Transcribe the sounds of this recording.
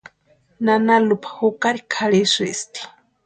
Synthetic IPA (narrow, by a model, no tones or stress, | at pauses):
nanalupʰḁhukaɾikʰaɺisist̪i̥